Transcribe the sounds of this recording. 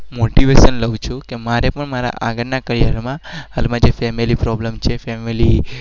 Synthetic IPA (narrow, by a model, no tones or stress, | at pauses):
moʈiʋeʃənləwt͡ʃʰukemaɾepəɳmaɾa̰ʔaɡəɾnakəɾijaɾmãɦalmãd͡ʒefɛmilipɾɔblemt͡ʃʰefɛmili